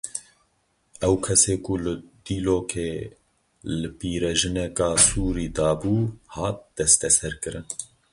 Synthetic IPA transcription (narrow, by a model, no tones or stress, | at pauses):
ɛwkʰɛseːkulɨd̪̥iːloːkʰeː | lɨpiːɾɛʒɨnɛkɑːsuːɾiːd̪ɑːbuːhɑːt̪̚d̪̥ɛst̪ɛsɛɾkɨɾɨn